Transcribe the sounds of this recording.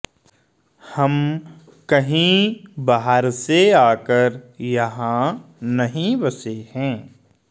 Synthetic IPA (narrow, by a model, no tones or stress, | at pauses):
hɐm | kɐɦĩbaɦəɾseaːkəɾjɐɦãnɐɦĩbɐsehɛ̃ː